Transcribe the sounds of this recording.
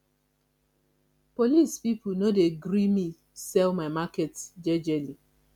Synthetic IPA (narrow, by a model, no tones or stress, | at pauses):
polispipnodeɡɾimi | sɛlmaɪmaketsd͡ʒɛd͡ʒeli